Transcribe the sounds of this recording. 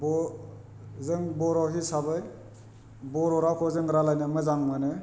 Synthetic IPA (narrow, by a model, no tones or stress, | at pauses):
bɔ | zɯŋbɔɾɔɦisabɯj | bɔɾɔɾakʰɔzɯŋɾalajnɯmɯzaŋmanɯ